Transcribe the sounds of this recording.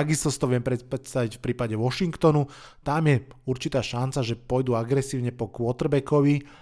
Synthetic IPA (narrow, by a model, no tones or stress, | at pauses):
aɡist̪ɔst̪ɔʋɪɛmpɾɛt̪st̪aʋicfpɾiːpaɟɛʋɔʃiŋkt̪ɔnu | t̪amjɛuɾt͡ʃit̪aːʃant͡saʒɛpɔjd̪uaɡɾɛsiːʊɲɛpɔkʋɔt̪rbɛkɔʋi